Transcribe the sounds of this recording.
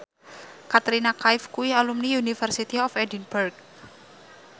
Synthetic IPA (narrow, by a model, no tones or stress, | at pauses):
kat̪ɾinakaɪfkuialumniunifərsit̪iɔfɛdinburk̚